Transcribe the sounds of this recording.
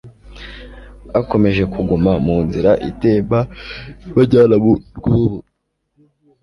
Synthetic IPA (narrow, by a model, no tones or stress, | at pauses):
ako̞me̞ʒe̞kʰuɡumamuːnziɾaʔḭtebaβaɟaːnaβuɡ̥uβu